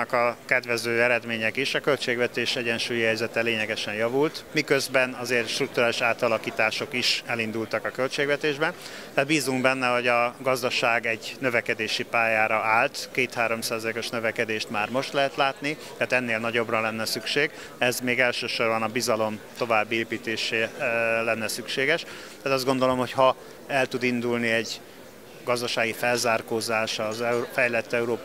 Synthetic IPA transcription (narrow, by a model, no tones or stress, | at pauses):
kɒkɛd̪vɛzøːɛɾɛd̪meːɲɛkiʃɒkølt͡ʃeːɡvɛt̪eːʃɛɟɛnʃuːjihɛjzɛt̪ɛleːɲɛɡɛʃɛnjɒvult̪mikøzbɛnɒzeːrt̪ʃt̪ruk̚t̪uɾaːliʃaːt̪ɒlɒkiːt̪aːʃo̞kiʃɛlind̪ult̪ɒkɒkølt͡ʃeːɡvʋɛt̪eːʒbɛn | t̪at̪biːzuŋɡbɛnːɛɦo̞ɟɒɡɒzd̪ɒʃaːɡɛɟnø̞vɛkɛd̪eːʃipaːjaːɾɒaːlt̪keːt̪haːɾo̞msaːzɒleːko̞ʃnøvɛkɛd̪eːʃt̪maːrmo̞ʃt̪lɛɦɛt̪laːt̪nit̪ɛːt̪ɛnːeːlnɒɟo̞brɒlɛnːɛsykʃeːɡ | ɛzmeːɡɛlʃøːʃo̞rbɒnɒbizɒlo̞mt̪o̞vaːbːieːpiːt̪eːʃeːlɛnːɛsykʃeːɡɛʃ | t̪aːt̪ɒzɡo̞nd̪o̞lo̞mho̞chɒ | ɛlt̪ud̪ind̪ulniɛɟ | ɡɒzd̪ɒʃaːɡifɛlzaːrkoːzaːʃɒzɛfɛjlɛt̪ːɛuɾoː